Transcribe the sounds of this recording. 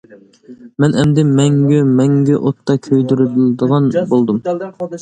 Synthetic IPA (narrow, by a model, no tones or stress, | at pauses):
mɛnʔɛmd̪ɪmɛŋɡʲymɛŋɡʲɛʔot̪ːɑkʲʰøjd̪yɾybɪld̪əʁɑnbolˠd̪um